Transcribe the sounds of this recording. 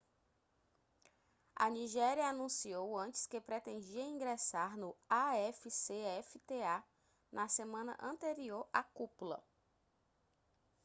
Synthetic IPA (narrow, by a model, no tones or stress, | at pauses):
ɐ̰niʒɛɾiɐanũsiowɐ̃t͡ʃɪ̥skepɾet̪ẽnd͡ʒiɐĩɡɾesaɾnʊaɛfiseɛfit̪ea | nʔɐsemɐ̃nɐ̰ʔɐ̃nt̪eɾioɾa̰kupulɐ̰